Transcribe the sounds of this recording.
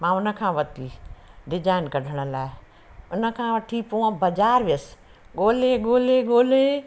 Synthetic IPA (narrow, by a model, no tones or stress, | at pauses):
mãːʊnə̆kʰãːʋɐt̪ʰiɖɪd͡ʒaːɪnkɐɖʱəɽ̃ə̆laːɪ | ʊnə̆kʰãʋɐt̪ʰipoːə̃bɐd͡ʒaːɾʋes | ɠoːleɡoːleɠoːle